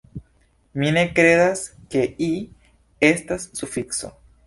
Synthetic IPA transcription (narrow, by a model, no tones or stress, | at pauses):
minekɾe̞ðas | ke̞i | est̪asːufikso̰